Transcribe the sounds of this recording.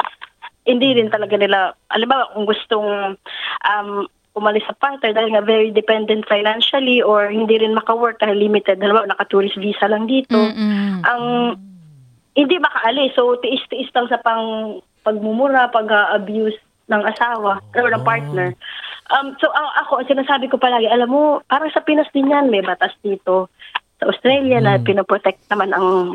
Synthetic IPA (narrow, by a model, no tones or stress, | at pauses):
hɪnd̪iɾɪnt̪ɐlɐɡanɪlaʔɐ̰lɪmbaːwɐkʊŋɡʊst̪oŋ | ʔɐm | ʔʊmɐlɪsːɐpaɹt̪nɛɹd̪aːhɪlŋavɛɹid̪ɛpɛnd̪ɛnt̪̚fajnanʃɐliʔoɹhɪnd̪iɾɪnmɐkɐwɛɹk̚t̪ɐɪllimɪt̪ɛd̪̚hɐlɪmanɐkɐt̪uːɾɪsviːsɐlɐŋd̪iːt̪o̞ʔɐŋ | hɪnd̪imɐkɐʔɐlɪsowt̪ɪʔɪst̪ɪʔɪslɐŋsɐpɐŋ | pɐɡ̚mʊmʊɾapɐɡaʔɐbjus | nɐŋʔɐsaːwɐɔɹnɐŋpaɹt̪̚nɛɹʔɐmsoʔɐʔɐko̞ʔɐŋsɪnaːsaːbɪko̞pɐlaːɡɪʔɐlamːopaːɾɐŋsɐpɪnɐsd̪ɪnjanmɛjbɐt̪asd̪iːt̪o̞sɐʔost̪ɾɛljɐnɐpɪnopɾot̪ɛk̚t̪̚nɐmanɐŋ